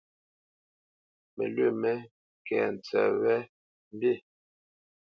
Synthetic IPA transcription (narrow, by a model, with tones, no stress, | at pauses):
mḛ˨lwe˦˨mɛ˦ | kɛ̰˨n˨t͡sɛ̰˨wɛ˦ | m˦be˦˨